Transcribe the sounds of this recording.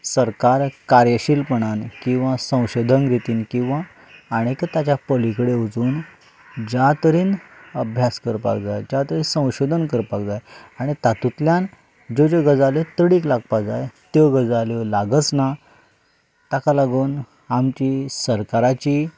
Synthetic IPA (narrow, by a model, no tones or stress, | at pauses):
səɾkaɾkaɾjəɕilpəɳ̃ankĩw̃ʋasə̃w̃ɕod̪ʱənɾit̪iːnkĩw̃ʋaː | ɽ̃it̪et̪at͡ɕapəlikɽeud͡zuːn | d͡ʑat̪əɾiːnəbʱjaskəɾpa̰kd͡zajd͡ʑat̪əɾĩnsə̃w̃ɕod̪ʱənkəɾpakd͡zajaɽ̃it̪at̪ut̪ljan | d͡ʑod͡ʑoɡəd͡zaljot̪əɽiːklaɡ̚pad͡zajt̪joɡəd͡zaljɔlaɡət͡sna | t̪akalaɡuːn | amt͡ɕisəɾkaɾat͡ɕiː